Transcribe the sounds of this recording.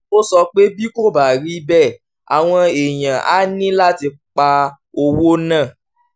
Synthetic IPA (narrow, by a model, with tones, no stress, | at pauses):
o˦sɔ˧k͡pe˦bi˦ko˦ba˨ɾi˦bɛ˦˨ | a̰˨w̃ɔ̃˧e˨j̃ã˨ʔa̰˦nĩ˦la˦ti˧k͡pa˧ | o˧wo˦nã˦˨